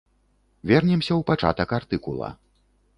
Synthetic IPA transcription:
vʲɛrnʲɛmsʲɐwpat͡ʂa̰t̪ɐkart̪ɨkulˠɐ̰

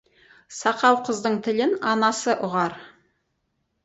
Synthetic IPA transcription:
sɑqɑwqʰəzd̪əɴt̪ʰɪlɪnɑnɑsəʔʊʁɑɾ

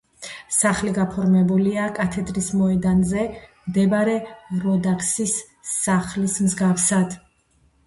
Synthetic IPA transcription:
saχliɡapʰɔɾmɛbuliakʼat̪ʰɛd̪ɾismɔɛd̪anzɛmd̪ɛbaɾɛɾɔd̪akʰʼsisː | aχlismzɡafsad̪̥

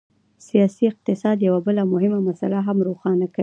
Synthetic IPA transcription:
sijɑsiɪq̚t̪ɪsɑd̪jawabəlamʊɦɪmamasalaɦamɾoxɑnakai

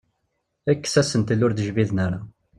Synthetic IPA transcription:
ækːsæsənt̪əlːʊɾd̪əʒviðnaɾa

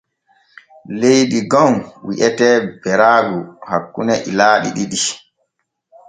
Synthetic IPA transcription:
lejdiɡɔnwiʔɛtɛːbɛɾaːɡuhakːunɛʔilaːɗḭɗiɗi

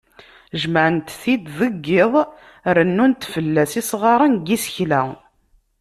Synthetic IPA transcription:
ʒməʕənt̪θid̪ðəɡːɪðˤ | ɾənːunt̪fəlːæsisʁɑɾˤənɡisəçlæ

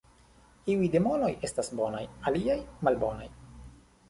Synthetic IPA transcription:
iujde̞mo̞no̞je̞stasbo̞najaliajmalbo̞naj

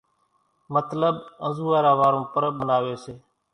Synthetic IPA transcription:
mət̪ləɓə̃zuːaːɾaːʋaːɾõːpəɾəɓənaːʋeːseː

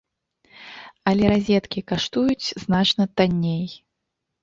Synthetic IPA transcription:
ɐlʲɛɾazʲɛt̪kʲikaʂt̪ujut͡sʲznat͡ʂnɐt̪anʲːej

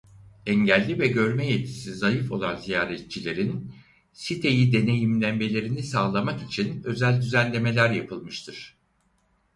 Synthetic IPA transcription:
ɛɲɟælʲːivɛɟø̞ɾmɛjet̪̚cʰi̥sizajɯfo̞̰lˠanzijaːɾɛt̪̚t͡ʃʰilʲe̞ɾin | sit̪ʰe̞jid̪e̞ne̞jimlʲænbe̞lʲe̞ɾinisaːlˠamakit͡ʃʰinø̞zælʲd̪yzænlʲe̞me̞lʲæɾjapʰɯlˠmɯʃt̪ʰɯɾ̥

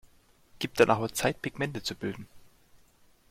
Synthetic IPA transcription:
ɡ̥iːp̚td̥anʔaːχoːɐt͡saɪt̚pʰɪɡmɛntət͡subɪldn̩

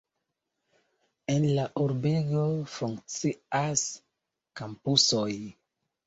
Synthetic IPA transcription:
enlaʔuɾbeɡo̞fuŋk̚t͡sias | kampusoj

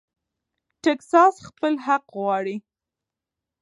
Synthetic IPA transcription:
ʈeksɑsxpəlɦaqɣwɑɽi

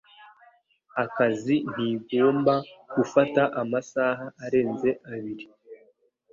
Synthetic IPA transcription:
akazin̥iɡo̞ːmbaɡ̥ufataʔamasaːɦaʔːɾe̞ːnze̞ʔaβiɾi

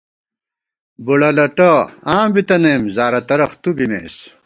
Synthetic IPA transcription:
buɽɐlɐʈɐãːbit̪ɐneːmzaːɾɐt̪ɐɾɐχt̪ubimḛːs

